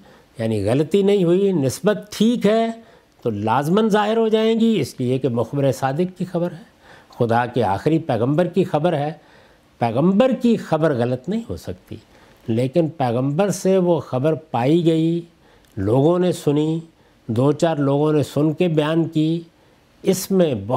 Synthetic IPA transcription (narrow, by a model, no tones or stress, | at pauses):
jaːniɣɐlət̪inɐɦĩɦʊinɪsbət̪ʈʰːiːkɦɛː | t̪olaːzmənzaːɦɪɾɦod͡ʒaːẽːɡiɪsliekemʊxbɪɾesaːd̪ɪkːixɐbəɾɦɛː | xʊd̪akea̰ːxɪɾipɛːɣə̃mbəɾkixɐbəɾɦɛː | pɛːɣə̃mbəɾkixɐbəɾɣɐlət̪nɐɦĩɦo̰sɐk̚t̪ḭː | leːkɪnpɛːɣə̃mbəɾseʋoxɐbəɾpaːiɡɐi | loːɡõnesʊni | d̪oːt͡ʃaːɾloːɡõnesʊnkebɐjaːnki | ɪsmẽbɐ